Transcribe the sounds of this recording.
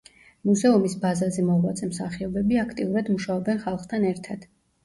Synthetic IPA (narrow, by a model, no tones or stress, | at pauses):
muzɛumisbazazɛmɔvla̰t̪sʼɛmsaχiɔbɛbiakʰt̪ʼiuɾad̪muʃaɔbɛnχalˠχt̪ʰanɛɾt̪ʰad̪̥